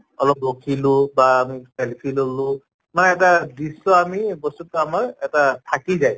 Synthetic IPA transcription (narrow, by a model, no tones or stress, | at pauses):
ɔlɔpːokʰilʊ̃baːmipɛlpʰilolʊ̃ | manɛːtadisɔamibɔstutːuamaɹɛtatʰakizaj